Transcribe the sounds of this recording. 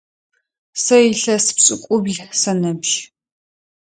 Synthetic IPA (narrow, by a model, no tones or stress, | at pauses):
sɐjɪɬɐsɨ̥pɕʼɪkʷʼʊbɮsɐnɐbʒ